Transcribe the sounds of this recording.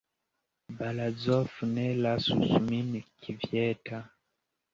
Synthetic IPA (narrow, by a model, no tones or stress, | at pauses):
balazɔfunɛlasṵsuminikʰivjɛta